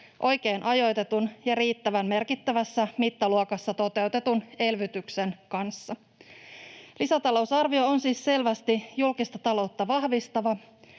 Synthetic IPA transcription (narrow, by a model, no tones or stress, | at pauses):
ʔo̞jk̟e̞ːnʔɑjo̞jt̪e̞t̪unjɑɾiːt̪ːæʋænme̞rkit̪ːæʋæsːæmit̪ːɑluokɑsːɑt̪o̞t̪e̞uwt̪e̞t̪une̞lʋyt̪ykse̞nkɑnsːɑ | lisæt̪ɑlo̞usɑrʋio̞onsiːsse̞lʋæst̪ijulkist̪ɑt̪ɑlo̞t̪ːɑʋɑhʋist̪ɑʋɑ